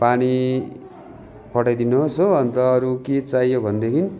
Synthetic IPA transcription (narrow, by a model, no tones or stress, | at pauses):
pani | pʌʈʌjd̪inuɦosoʌnt̪ʌːɾuket͡saijobʱʌnd̪ekʰini